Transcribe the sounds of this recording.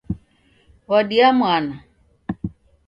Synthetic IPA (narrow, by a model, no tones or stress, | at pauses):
waɗiamwana